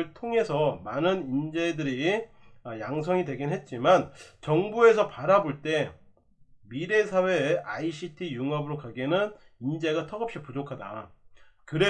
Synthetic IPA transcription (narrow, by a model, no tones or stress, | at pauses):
ɯɭtʰoŋe̞sʰʌmanɯnind͡ʑe̞dɯɾi | jaŋs̬ʰʌŋidwe̞ɡinɦe̞t̚t͡ɕ͈imant͡ɕʌŋbue̞sʰʌpaɾaboɭt͈e̞ | miɾe̞sʰawe̞aiɕʰitʰijuŋʌbɯɾokaɡenɯn | ind͡ʑe̞ɡat͈ʌɡʌp̚ɕ͈ipud͡ʑokʰada̰ | kɯɾe